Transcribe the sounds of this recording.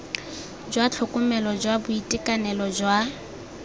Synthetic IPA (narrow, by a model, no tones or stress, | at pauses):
d͡ʒwat͡ɬʰʊkʼʊmɛlɔd͡ʒwabʊitʼɪkʼanɛlɔd͡ʒwa